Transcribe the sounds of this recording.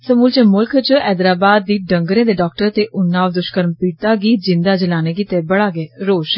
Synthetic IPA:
səmuːlt͡ʃemʊlkʰt͡ʃɛːd̪ɾaːbaːd̪̚ːiːɖəŋɡɾẽːd̪eːɖɔːk̚ʈəɾt̪eːʔʊnːãːʋd̪ʊʃkəɾmpiːʈt̪aːɡiːd͡ʒɪnd̪aːd͡ʒəlaːneːɡiːt̪eːbəɽaːɡɛːɾoːʃ

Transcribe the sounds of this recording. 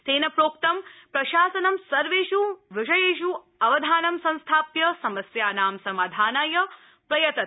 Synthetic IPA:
seːnɐpɾoːk̚t̪ɐmpɾɐʃaːsɐnɐmsɐɾʋeːʃuʋɪʂɐjeːʃu | ɐʋɐd̪ʱaːnɐmsɐ̃ñst̪ʰaːpjɐsɐmɐsjaːnaːmsɐmaːd̪ʱaːnaːjɐ | pɾɐjɐt̪ɐt̪

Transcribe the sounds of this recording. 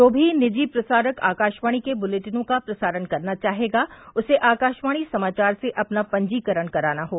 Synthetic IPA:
t̪oːbʱinɪd͡ʒiːpɾɐsaːɾəka̰ːkaːʃʋaːɽ̃ikebʊleːʈɪnõkapɾɐsaːɾənkɐɾnat͡ʃaːɦeːɡaːʊseʔaːkaːʃʋaːɽ̃isɐmaːt͡ʃaːɾseʔɐpnapɐ̃ɲd͡ʒiːkəɾəɽkɐɾaːnaɦoː

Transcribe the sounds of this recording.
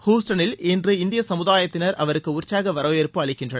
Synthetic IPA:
huːsʈɐnɪlɛndrɯɪnd̪ɪjɐsɐmɯðaːjɐt̪ːɪnɐɾɐʋɐɾɯkːɯʊrt͡ʃːaːɣɐʋɐɾoːjɛɾpɯɐɭɪkːɪndrɐnɐ

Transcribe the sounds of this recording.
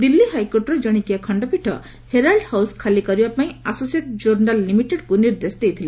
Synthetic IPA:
d̪ilːiɦajkoʈɾɔd͡ʒʌɽ̃ikijakʰɔɳɖɔpiʈʰʌ̰ | heɾalɖhawskʰalikʌɾibapaĩasosieʈ̚d͡ʒoɾnalːimiʈeɖkuniɾd̪esd̪ejt̪ʰila

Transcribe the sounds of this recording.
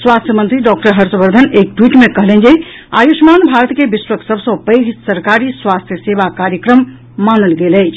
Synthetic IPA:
swast̪ʰjəmənt̪ɾiɖɔk̚ʈəɾɦəɾsəbəɾd̪ʱənek̚ʈwiʈmekəɦlend͡ʒe | a̰jusmanbʱaɾət̪kebiswəksəbʱsə̃pəjɡsəɾkaɾiswast̪ʰjəsebakaɾjəkɾəmː | anəlɡelət͡ʃʰ

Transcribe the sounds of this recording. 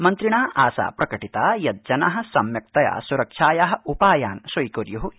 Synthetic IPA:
mɐnt̪ɾiɳaːʔaːsa̰ːpɾɐkɐʈit̪aːjɐt̪̚d͡ʒɐnɐɦɐ̆sɐmjɐk̚t̪ɐja̰ːsuɾɐkʂaːjɐɦɐ̆upaːjaːnsɐjkoɾjuɦu

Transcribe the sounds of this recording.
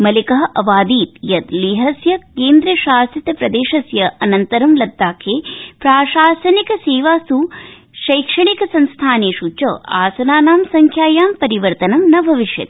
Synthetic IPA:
mɐlikɐɦɐʔɐʋaːd̪iːt̪jɐt̪liːɦɐsjɐkeːnd̪ɾɐʃaːsit̪ɐpɾɐd̪eːʃɐsjɐɐnɐnt̪ɐɾɐmlɐd̪ːaːkʰeːpɾaːʃaːsɐnikɐseːʋaːst̪u | ʃɐjkʂɐɳikɐsɐnst̪ʰaːneːʃut͡ʃɐa̰ːsɐnaːnaːmsɐŋkʰjaːjaːmpɐɾiʋɐɾt̪ɐnɐmnɐbʱɐʋiʃjɐ̰t̪

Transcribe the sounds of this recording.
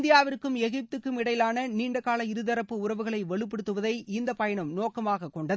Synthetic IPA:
nd̪ɪjaːʋɪrkːɯmɛɣɪp̚t̪ɯkːɯmɪɽɐjɪlaːnɐniːɳɖɐkaːlɐɪɾɯðɐɾɐpːɯʊrɐʋɯɣɐɭɐɪʋɐɭɯp̬ːɛɽɯt̪ːɯʋɐðɐɪɪnd̪ɐpɐjɐɳɐmnoːkɐmaːɣɐkːɔɳɖɐðɯ

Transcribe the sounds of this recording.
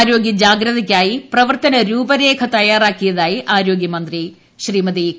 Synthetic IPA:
ɾo̞ːɡjɐd͡ʑaːɡɾɐðɐkʲːaːjiprɐʋɐrt̪ɐnɐɾuːbɐɾe̞ːkʰɐt̪ɐjaːraːkːijɐðaːjiʔaːɾo̞ːɡjɐmɐnd̪ri | ɕriːmɐði

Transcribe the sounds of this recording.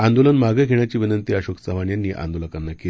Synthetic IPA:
and̪olənmaɡəɡʱeɳjat͡ɕiːʋinənt̪iːəɕoksəʋaɳjanːiːʔa̰nd̪oləkanːakel

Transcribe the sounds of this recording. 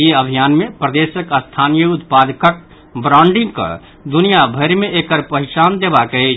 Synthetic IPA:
eəbʱijaːnmẽpɾəd̪esəkast̪ʰanijəʊt̪pad̪kək̚ | bɾaʊɳɖɪ̃ŋɡka̰ | d̪unijabʱəɾmẽʔekəɾpəɦɪt͡ʃaːnd̪ebakəit͡ʃ

